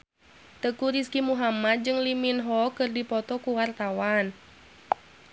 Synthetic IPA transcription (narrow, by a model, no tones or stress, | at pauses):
t̪əkuɾiskimuɦamat̪̚d͡ʒɨŋliminɦɔkɨrdipɔt̪ɔkuwart̪awan